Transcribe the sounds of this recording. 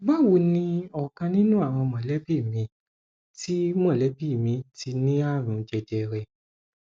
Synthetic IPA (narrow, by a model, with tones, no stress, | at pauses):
ɡ͡ba˦wo˧nĩ˧ɔ˨kã˧nĩ˦nũ˦a˦˨w̃ɔ̃˧mɔ̃˨lɛ˨˦bi˦˨mĩ˧ | ti˦mɔ̃˦˨lɛ˨˦bi˦˨mĩ˧tʰi˧nĩ˦a˦˨ɾ̃ũ˨d͡ʒɛ˧d͡ʒɛ˧ɾɛ˧